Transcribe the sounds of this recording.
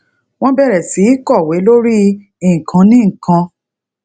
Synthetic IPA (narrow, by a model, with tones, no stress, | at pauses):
w̃ɔ̃˦bɛ˦˨ɾɛ˨si˨˦kɔ˦˨we˨˦lo˦ɾi˦ | i˨ŋ̩˨kʰã˨˧˦nĩ˦ŋ̩˨kã˧